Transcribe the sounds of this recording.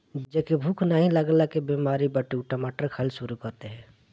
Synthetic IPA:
d͡ʒekebʱukʰnəɦĩləɡlakebiːmaːɾibəʈiuʈomaːʈəɾkʰɐlʃuɾukɐɾt̪eɦɛ̃ː

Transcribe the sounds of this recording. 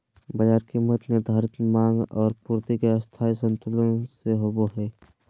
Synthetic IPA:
bəd͡ʒaːɾkimːət̪nɪɾd̪ʱaːɾɪt̪mãːŋɡɔːɾpuːɾt̪ikeəst̪ʰaːjsə̃nt̪ʊləseɦoːboɦɛː

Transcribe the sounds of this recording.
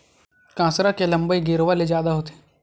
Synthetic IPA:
kãːsɾakeləmbəiɡɪːɾʋaled͡ʒjaːd̪aɦoːt̪e̥ː

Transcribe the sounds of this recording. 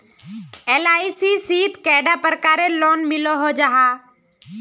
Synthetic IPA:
eːlaːisiːsiːt̪kɛːɖaːpəɾkaːɾeloːnmɪloɦoːd͡ʒaːɦaː

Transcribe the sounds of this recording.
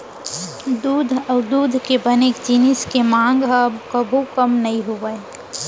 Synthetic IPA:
d̪uːd̪ʱɔːd̪uːd̪ʱkebəneːkd͡ʒinɪskemãːŋɡɦəbkəbʱukəmnɐɦĩɦoʋəe

